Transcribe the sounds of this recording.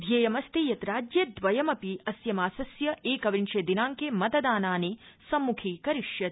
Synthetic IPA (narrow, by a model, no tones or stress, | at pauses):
d̪ʱjɐjɐmɐst̪ijɐt̪ɾaːd͡ʒjɐd̪ʋɐjɐmɐpiɐsjɐmaːsɐsjɐeːkɐʋinʃeːd̪inaːŋkeːmɐt̪ɐd̪aːnaːneːsɐmːukʰiːkɐɾiʂjɐt̪̚